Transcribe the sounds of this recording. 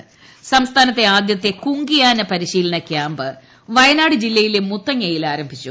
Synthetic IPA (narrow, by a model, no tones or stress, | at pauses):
sɐmst̪ʰaːnɐt̪ːe̞aːd̪jɐt̪ːe̞kuŋɡijaːnɨpɐɾiɕiːlɐɳɐkʲjaːmbɨ | ʋɐjɐnaːɽɨd͡ʑilːɐjilemut̪ːɐŋejilaːɾɐmbʱit͡ɕːu